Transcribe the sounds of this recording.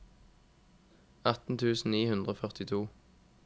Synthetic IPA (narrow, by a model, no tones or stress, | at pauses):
ɑt̪n̩t̪ʰʉːsn̩niːhʉnd̪ʁoːfœʁt̪ɪt̪ʰuː